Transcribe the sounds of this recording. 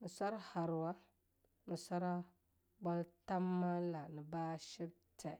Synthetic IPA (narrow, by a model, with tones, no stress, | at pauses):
nɨ˨sa˦ɾa˦ha˨ɾwa˦ | nɨ˨sa˦ɾa˦ | ba˦lta˦mːa˦la˨nɨ˨baː˦ʃi˦b̚tʰɛ˨